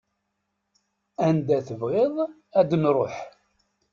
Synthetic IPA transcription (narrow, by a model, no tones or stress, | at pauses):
ænd̪æθəvʁeðˤ | æd̪ənɾˤoħ